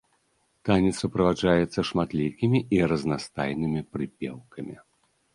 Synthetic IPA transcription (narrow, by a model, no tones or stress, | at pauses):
t̪anʲit̪supɾɐvaʐajɛt̪sːɐʂmat̪lʲikʲimʲiʔiɾɐznast̪a̰jnɨmʲipɾɨpʲɛ̰wkʰɐmʲi